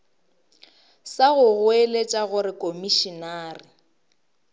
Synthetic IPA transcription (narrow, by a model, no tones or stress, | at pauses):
saɣʊɣʊelet͡ʃʼaɣʊɾɪkʼomiʃinaːrɪ